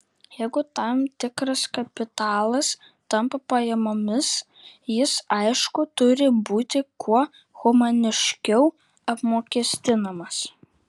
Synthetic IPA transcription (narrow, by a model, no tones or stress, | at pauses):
jɛɪɡʊt̪ɑˑmt̪ʲɪkɾɐskɐpʲɪt̪ɑːlˠɐs | t̪ɐmpɐpɐjɛmoːmʲɪs | jɪsɐɪʃkʊt̪ʊɾʲɪbuːt̪ʲɪkʰuɔ | ɣʊmɐnʲɪʃʲkʲɛʊ | ɐpmoːkʲiɛsʲt̪ʲɪnɐmɐs